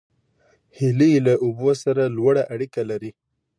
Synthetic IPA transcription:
hɪlilaʔʊbosaɾalwaɽaʔaɽikalaɾi

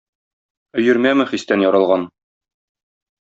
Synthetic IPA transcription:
ɵ̆jɘ̆ɾmæmɘχist̪ænjɒɾɑlˠʁɑn

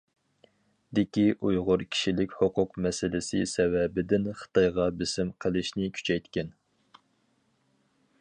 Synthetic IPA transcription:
d̪ɪkʲiʔujʁʊɾkʲʰi̥ʃilɪkʲhoqʰʊqmɛsɪlɪsɪsɛwɛbɪd̪ɪnχə̥t̪ʰɑjʁɑbɪsɪmqʰəlˠɪʃnɪkʲʰy̥t͡ʃʰɛjt̪kʲɛn

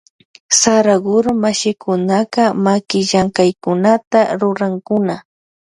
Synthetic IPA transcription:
saɾaɢʊɾmaʃɪkʊnakamakɪʒaŋkajkʊnat̪aɾʊɾaŋkʊna

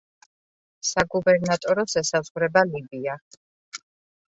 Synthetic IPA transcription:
saɡubɛɾnat̪ʼɔɾɔsɛsazʁɾɛbalibia

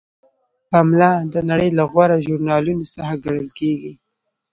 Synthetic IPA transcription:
pamlɑd̪ənaɽəjlaɣwaɾaʒuɾnɑlunosaxaɡaɽəlkeɡi

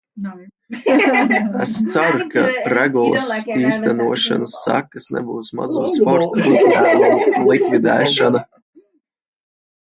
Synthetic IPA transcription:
ɛst̪saɾukaɾɛɡulˠɨ̰siːst̪ænuɔʃa̰nasːa̰kːɐsnɛ̰buːsma̰zuːspɔɾt̪uuzd̪æːmumlˠikvid̪ɛːʃana

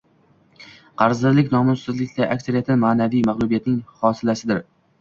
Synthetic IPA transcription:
qʰɑɾzd̪ɪɾlɪkʲnɒmʊssɪzlɪkʲd̪aʔakʲsaɾijat̪ʰɪnmaːnavijmaχlˠʊbijat̪̚nɪŋhɒsɪlasɪd̪ɪɾ

